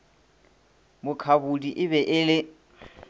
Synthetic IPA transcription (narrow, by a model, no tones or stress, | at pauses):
mʊkʰabudiʔɪβɛʔɪlɪ